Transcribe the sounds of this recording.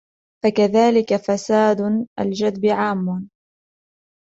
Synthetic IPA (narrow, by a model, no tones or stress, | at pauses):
fakaðaːlɪkafasaːd̪ʔa̰ld͡ʒad̪bɪʕaːmːʊ